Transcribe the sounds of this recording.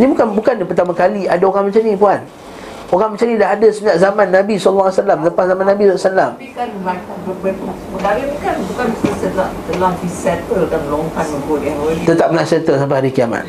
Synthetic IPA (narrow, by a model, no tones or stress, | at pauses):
nibukanbukanpərt̪amakaliadaoɣaŋmãt͡ʃanĩpuan | oɣaŋmət͡ʃanĩdaɦadasəɲaʔzamanːabisɔlːsalamləpaszamanːabisɔlasalam | kanmatabəbən | məɡaɾebukanbukansəsəlat̪əlaŋbisɛt̪̚əkanməloŋkanməɡodat̪ət̪ap̚ənasət̪əsamp̬ahaɾikiama̰t̪̚